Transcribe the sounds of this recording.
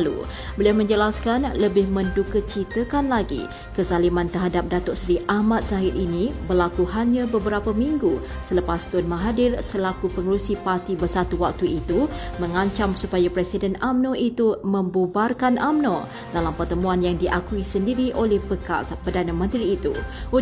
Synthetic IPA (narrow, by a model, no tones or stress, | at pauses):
lṵ | bəliawmə̃ɲd͡ʒəlaskanləbɪhmə̃ndukət͡ʃit̪əkanlaɡḭ | kəzalimãnt̪ərɦadap̚dat̪ɔʔsɾiʔahmat̪̚saɦɪt̪̚inibərlakuhaɲãbəbəɾapamiŋɡu | sələpast̪ʊnmãɦadɪrsəlakupəŋəɾusipart̪ibərsat̪uwak̚t̪uit̪umə̃ŋãɲt͡ʃamsupajapɾɛsidɛnamnoʔit̪uməmbubarkanamno̰ | dalampərt̪əmũanjaŋdiʔakuisəndiɾiʔolɛhbəka̰spərdanamə̃nt̪ɾiːt̪u